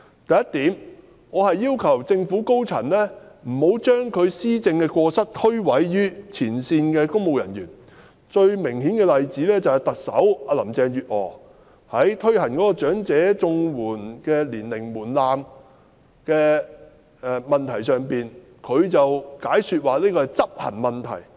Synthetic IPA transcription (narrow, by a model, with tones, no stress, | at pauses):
t̪ɐ˨jɐ˥t̪iː˨˥m | ŋɔː˨˧hɐ˨jːiː˥wkʰɐ˨˩wt͡sɪ˧ŋfuː˨˥ko˥wt͡sʰɐ˨˩nlɛː˥m̩˨˩ho˨˥wt͡ʃœː˥ŋkʰɵ˨˧ɥsiː˥t͡sɪ˧ŋkɛː˧kɔː˧sɐ˥t̪ʰɵ˥ɥwɐ˨˥jjyː˥t͡sʰiː˨˩nsiː˧nkɛː˧kʊ˥ŋmo˨wjɐ˨˩njyː˨˩n | t͡ʃɵ˧ɥmɪ˨˩ŋhiː˨˥nkɛː˧lɐ˨jt͡siː˨˥lɛː˥t͡sɐ˨whɛ˨jt̪ɐ˨k̚sɐ̰˨˥waː˧lɐ˨˩mt͡sɛː˧ŋjyː˨t̚ʔɔː˨˩ | hɐ˨˥jt̪ʰɵ˥ɥhɐ˨˩nkɔː˨˥kɔː˧t͡ʃœː˨˥ŋt͡sɛː˨˥t͡sʊ˧ŋwuː˨˩nkɛː˧liː˨˩nlɪ˨˩ŋmuː˨˩nlaː˨˧m | kɛː˧ | ɛ˨˧mɐ˨nt̪ʰɐ˨˩jsœː˨ŋpiː˨n | kʰɵ˨˧ɥt͡sɐ˨wkaː˨˥jsyː˧t̚waː˨liː˥kɔː˧˨jt͡sɐ˥p̚hɐ̰˨˩nmɐ˨nt̪ʰɐ̰˨˩j